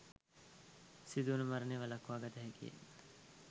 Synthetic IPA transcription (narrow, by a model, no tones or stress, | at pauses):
sid̪uːnəmaɾəneːʋalakːʋaːɡɐt̪əɦɛkḭjḛ